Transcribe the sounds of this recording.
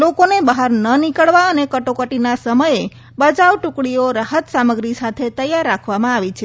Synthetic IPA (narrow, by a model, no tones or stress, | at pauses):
lokonebəɦaɾnənikəɭʋaənekəʈokəʈinasəməje | bəd͡ʒaʋʈũkɽioɾaɦət̪saməɡɾisat̪ʰet̪əjaɾːakʰʋamãaʋit͡ʃʰe